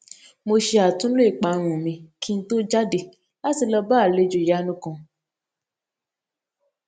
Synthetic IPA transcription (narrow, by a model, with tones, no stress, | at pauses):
mo˧ʃe˧a˨tũ˦lo˦i˦˨k͡pa˨˦˨ɾ̃ũ˨mĩ˨˧kʰi˦n̩˦to˦d͡ʒa˦de˧ | a˦ti˧lɔ˧ba˦˨le˨˧˦d͡ʒo˧˨ja˨˦nũ˦kɔ̃˧